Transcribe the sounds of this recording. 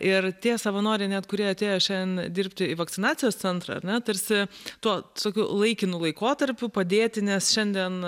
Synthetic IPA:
ɪrt̪ʲiɛsɐʋɐnoːɾʲɛɪnʲɛt̪kʊɾʲiɛɐt̪ʲeːjoːʃʲɛnd̪ʲɛnd̪ʲɪɾʲpʲt̪ʲɪiʋɐkt̪ʲɪnɑːt͡ssʲɪjoːst̪sʲɛnt̪ɾɑ̰ɐ̰ɾʲnʲɛt̪ɐɾʲsʲɪt̪uɔsoːkʲulˠɐɪkʲɪnʊlˠɐɪkoːt̪ɐɾʲpʲʊpɐd̪ʲeːt̪ʲɪnʲɛsʃʲɛnʲd̪ʲiɛn

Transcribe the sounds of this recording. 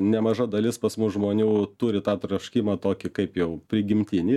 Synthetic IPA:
nʲɛmɐʒɐd̪ɐlʲɪspɐsmʊsʒmoːnʲuːt̪ʊɾʲɪt̪ɑːt̪ɾɐʃʲkʲiːmɐt̪oːkʲɪkɐɪpjɛʊpʲɾʲɪɡʲɪmʲt̪ʲɪnʲɪ

